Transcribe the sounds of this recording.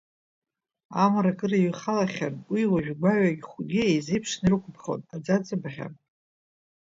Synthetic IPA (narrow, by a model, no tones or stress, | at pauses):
amaɾakʼɨraɥχalaχʲanwiwaʒᶣɡʷaɥaɡʲχʷʊɡʲɪejzejpʰʂnirɨkʷʰʼbʰχo̰nad͡zad͡zʼɨbaχʲa̰n